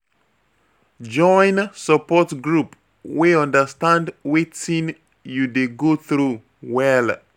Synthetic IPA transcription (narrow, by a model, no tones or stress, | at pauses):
d͡ʒɔj̃nsəpɔtɡɹup | weɔ̃ndəstãndwetĩn | judeɡoθɹu | wɛl